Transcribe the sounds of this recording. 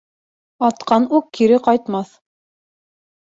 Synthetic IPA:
ɑt̪qɑnukːiɾɘqɑjt̪mɑθ

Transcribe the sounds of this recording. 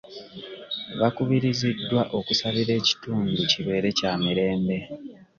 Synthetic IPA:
βakuβiɾizidːwaʔo̞kusaβiɾe̞ːci̥tuːnduciβe̞ːɾe̞caːmiɾe̞ːmbe̞

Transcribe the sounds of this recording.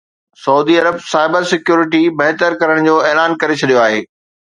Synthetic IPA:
sɐuːd̪iɐɾəbsaːɪbəɾsɪkjuːɾɪʈ̬ibɐɦt̪əɾkɐɾəɽ̃d͡ʑoːɛːlaːnkɐɾet͡ɕʰɐɗijoaːɦeː

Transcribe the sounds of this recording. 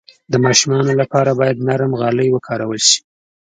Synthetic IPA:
d̪əmɑʃumɑnolapɑɾabɑjad̪naɾmɣɑləjwəkʰɑɾawəlʃi̥

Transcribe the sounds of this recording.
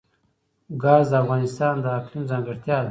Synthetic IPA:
ɡɑːzd̪əafɣɑnɪst̪ɑnd̪əaklimzɑŋɡɪɾt̪jɑːd̪

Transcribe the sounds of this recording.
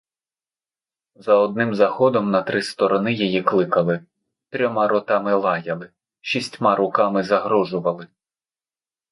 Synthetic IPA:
zɐɔd̪̚nɪmzɐxɔd̪ɔmnɐt̪ɾɪst̪ɔɾɔnɪjɔjiklˠɪkɐlˠɪ | t̪ɾʲɔmɑɾɔt̪ɑmɪlˠɑjɐlˠɪ | ʃʲisʲtʲmɑɾʊkɑmɪzɐɦɾɔʒʊʋɐlˠɪ

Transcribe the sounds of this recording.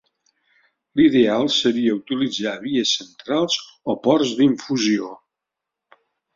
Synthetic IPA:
liðealˠsəɾiəut̪ilid͡zaβiəsənt̪ɾalˠz | ɔpɔrzd̪iɱfuzio

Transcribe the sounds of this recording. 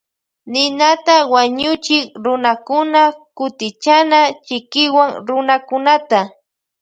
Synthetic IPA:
nɪnat̪awaɲʊt͡ʃɪkɾʊnakʊnakʊt̪ɪt͡ʃanat͡ʃɪkɪwaŋɾʊnakʊnat̪a

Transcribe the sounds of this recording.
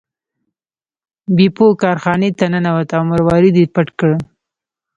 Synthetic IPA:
bipokɑɾxɑnet̪ananawat̪awmaɾwɑɾid̪ipaʈkɽ

